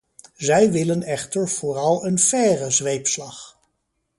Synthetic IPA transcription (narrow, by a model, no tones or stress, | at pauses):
zɛjʋɪlənɛχtəɹv̥ʊːrɑlˠənfɛːrəzʋejpslɑχ